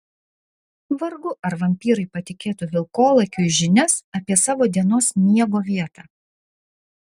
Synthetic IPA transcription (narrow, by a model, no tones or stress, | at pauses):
ʋɐɾɡʊʔɐɾʋɐmʲpʲiːɾɐɪpɐt̪ʲɪkʲeːt̪ʊʋʲɪlˠkoːlˠɐkʲʊɪʒʲɪnʲɛsɐpʲiɛsɑːʋoːd̪ʲiɛnoːsmʲiɛɡoːʋʲiɛt̪ɑː